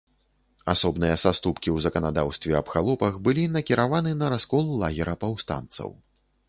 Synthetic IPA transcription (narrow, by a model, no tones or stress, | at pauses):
asɔbnɨjɐsast̪upkʲiwzɐkɐnad̪awst̪vʲɛɐbxalˠɔpɐxbɨlʲinɐkʲiɾavanɨnɐɾaskɔlˠulˠaɣʲɛɾɐpawst̪a̰nt̪sɐ̰w